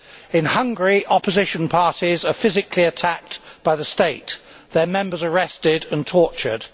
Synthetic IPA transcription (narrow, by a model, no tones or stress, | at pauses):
ɪ̃nhʌ̃ŋɡəɹiʔɒpəzɪʃə̃npʰɑɹtizəfɪzɪkʰliətʰæk̚tb̥aɪðəsteɪʔ | ðəmɛ̃mbəzəɹɛstɪdə̃ntʰɔˑt͡ʃə̰d̥